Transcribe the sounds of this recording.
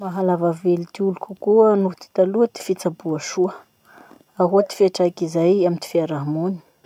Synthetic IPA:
maɦalavavelit̪iulukʲukuənut̪i̥t̪aluət̪i̥fit͡sabuaʃuə | aɦot̪i̥fiaʈ͡ʂakizajamint̪i̥fiaɾaɦmuni̥

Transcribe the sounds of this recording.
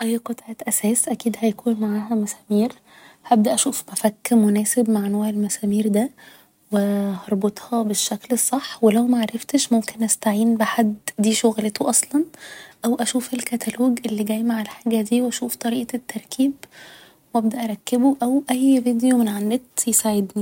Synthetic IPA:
ʔæjːqot̪ˤʕɑːt̪ʔæsæːsʔækiːd̪hæjkʰuːnmaʕaːɦæmæsæːmiːɾ | hæb̚d̪æʔæʃuːfmæfækːmonæːsebmaʕnoːʕelmæsæmiːɾd̪æ | wehɑɾˤbot̪ˤhɑbeʃːæklesˤːɑħːwelæwmæʕaɾˤɑft̪eʃmomkenʔæst̪aʕiːnbeħad̪ːd̪iːʃoɣlet̪oʔɑsˤlɑnʔæwʔæʃuːfelkæt̪ʰæloːɡʔelːiːɡæjmaʕelħaːɡæd̪iːwʔæʃuːft̪ˤɑɾiːʔɑt̪ːɑɾˤkʰiːb | wʔæb̚d̪æʔæɑɾˤɑkːeboʔæwʔæjvid̪ejomenʕanːet̪jesaʕed̪ni

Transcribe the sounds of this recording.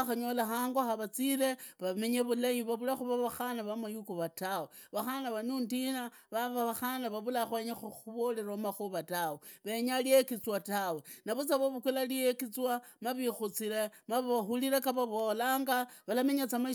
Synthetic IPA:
xaɲo̞laxaːŋɡwaxaβat͡sile̞βame̞ɲeβulajiβaβulaxuβaβaxanaβamajukuβatawe | βaxanaβanundina | βaβaβaxanaβaβulaxweɲexuuβoleɾomaxuβataweβeɲaliekit͡swatawenaβut͡saβoβukwelalijekit͡swamaβixut͡siɾemaβaβaxuliɾekaβaβolaːŋɡaβalameɲat͡sama

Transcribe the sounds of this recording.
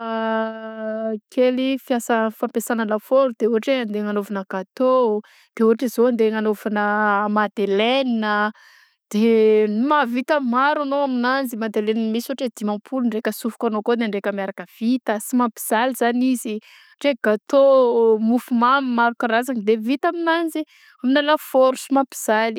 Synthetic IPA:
a | kʰelifiasəfampesanaləfoɾud̪̥euɦaʈ͡ʂeand̪eŋanovanəɡ̥at̪o | d̪̥euɦaʈ͡ʂezoand̪eŋanovanəmad̪eleninə | d̪̥enumavit̪əmaɾanoaminanzimad̪eleninmisoaʈ͡ʂed̪̥imampʰuluɳɖ͡ʐekəsufu̥kanokod̪eɳɖ͡ʐekʲəmjaɾakəv̥it̪əsimapi̥z̥aliz̥anizi | ʈ͡ʂeɡ̥at̪omufumamimaɾukaɾazaŋəd̪evit̪aminanzi | aminalafoɾusimapi̥z̥ali̥

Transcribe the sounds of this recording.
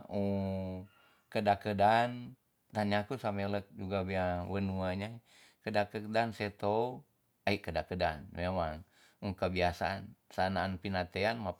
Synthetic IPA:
u | kədakədan | t̪aɲakusamɛlək̚d͡ʒuɡabiawənuaɲa | kədakədansɛt̪ou | aikədakədanmemaŋ | ukəbiasaa̰nsanaːnpinat̪eanma

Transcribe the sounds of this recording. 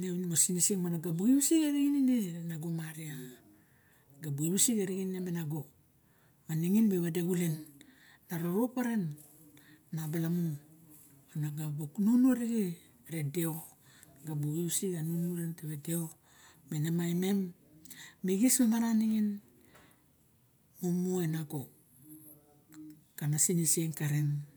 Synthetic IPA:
newnmosinesiŋmanaɡabuɡiwsiɡaɾiɡininenaɡomaɾia | ɡabuɡiβusiɡaɾiɡininemenaɡo | maniŋinbeβadeɡulenː | aɾoɾopaɾenː | abalamu | anaɡaboknunuaɾiɡi | ɾedeo | ɡabuusiɡanunuɾenteβedeo | menamajme̞mː | iɡismemaɾaniŋin | momuenaɡo | kanasinisieŋkaɾen

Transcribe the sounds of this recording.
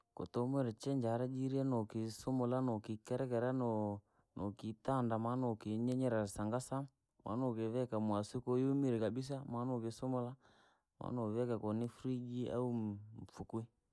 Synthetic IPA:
ko̰tɔmɛɾɛt͡ʃɛɲd͡ʒaɾad͡ʒiɾiɛnokisumolanokikɛɾɛkɛɾan | nokitandamanokiɲɛɲɛɾasaŋɡasa | mʔa̰nokeβɛkamwasikojumiɾikabis̬amanokesomɔla | ma̰noβɛkakɔnifɾid͡ʒiʔa̰um̩fukwi

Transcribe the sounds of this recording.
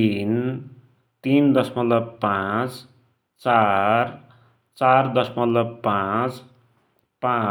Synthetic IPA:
in | t̪ind̪ʌsmʌt̪lʌbpãt͡s | t͡sar | t͡sard̪ʌsmʌt̪lʌbpãt͡s | pã

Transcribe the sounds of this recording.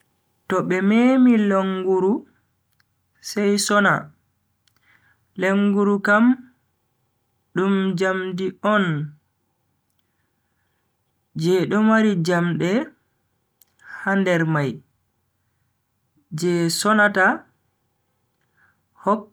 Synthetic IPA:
tɔɓɛmemiloŋɡuɾu | sɛjsɔna | leŋɡuɾukam | ɗumd͡ʒamdiʔɔn | d͡ʒɛɗɔmaɾid͡ʒamɗɛ | handɛɾmaj | d͡ʒɛsɔnata | hɔk̚

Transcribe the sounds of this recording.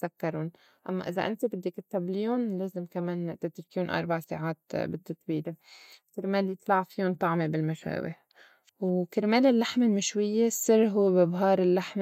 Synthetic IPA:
sakːɑɾˤʊn | ʔa̰mːa̰ʔɪza̰ʔɪ̰nt̪ibɪd̪ːikɪt̪ːabliːʊnleːzɪmkameːnt̪ɪt̪ɾkiːunʔɑ̰ɾˤbaʕsa̰ːʕaːt̪bɪd̪̥ːɨt̪ˤbiːlekɪɾmeːljt̪ˤlɑʕfiʊnt̪ˤɑʕmebɪlmaʃa̰ːwɪ̰h | wkɪɾmeːlɪlːaħmelmɪʃwɪjːesˤɨrˤːɦuwːebɪbɦɑːɾˤɪlːaħm

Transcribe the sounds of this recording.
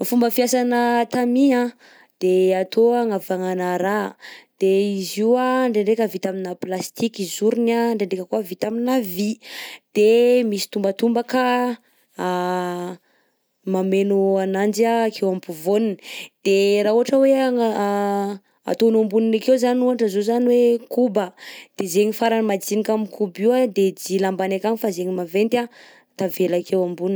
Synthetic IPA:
fumbəfiasanət̪amiã | d̪̥eat̪ʰoaŋavaŋanaɾad̪̥eiziwaɳɖ͡ʐeɳɖ͡ʐekʲəvit̪aminaplast̪ikizuɾinaɳɖ͡ʐeɳekəkuəvit̪aminavid̪̥emisi̥t̪umbət̪umbakə | mamenuanand͡ʒiaːkʰewambuvonind̪̥eɾaɦuɦaʈ͡ʂəwe | a̰t̪onambuninakewzanuɦaʈ͡ʂəzozaniwekubəd̪̥ezeɲifaɾanimad͡zinikamikʰubiwad̪ed͡zilambanekaɲifazeɲimavent̪a | t̪avelakʰewambunin

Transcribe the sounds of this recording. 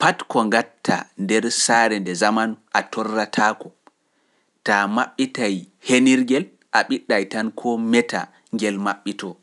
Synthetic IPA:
patkɔŋɡatʰːa̰ndɛɾsaːɾɛndɛzamanʔatʰɔrːatʰaːkɔ | tamaɓːitajheniɾɡɛl | ʔaɓiɗːajtankʰɔmɛta̰ | ŋɡɛlmaɓːitɔ

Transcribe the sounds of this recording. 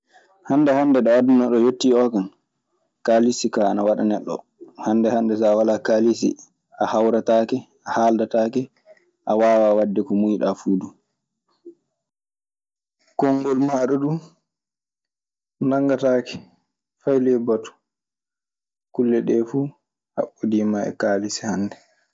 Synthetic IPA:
hanːdɛhandɛɗɔwadɛnɔɗɔjotːiɔkan | kalisikaːnawaɗa̰nɛɗːɔ̰ | handɛhandɛs̬awalakalisḭ | ʔahawɾataːkɛ | ahaldataːkɛ | ʔawaːwawadːɛkɔmujɗafuːdu | kɔŋɡɔlmaːɗɔɗu | naŋɡataːkɛ̥ | fajlɛbatu̥ | kulːɛɗɛfuː | ha̰ɓːodiːmaɛ̰kaːlisihandɛ

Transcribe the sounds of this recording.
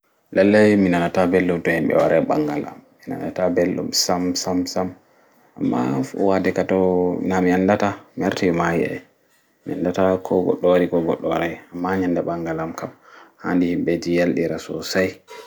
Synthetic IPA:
lalːajminanatabelːumtɔhimɓɛ̰wa̰ɾajɓaŋɡala̰mːina̰natabelɗṵmsamsamsam | a̰mːa̰wadɛkatɔnamiandatamiaɾtajɔmajḭɛ̰ | miandatakʰɔɡɔ̰ɗːɔaɾikɔɡɔ̰ɗːɔwa̰ɾajamːaɲandaɓaŋɡalamkamhandihimɓɛd͡ʒijalɗiɾasɔ̰saj

